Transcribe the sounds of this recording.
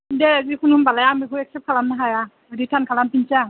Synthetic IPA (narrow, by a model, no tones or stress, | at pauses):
dɛazikʰununbalajaŋbekʰutɛk̚sɛp̚kʰalamnaɦaja | ɯditʰankʰalampint͡ʃaŋ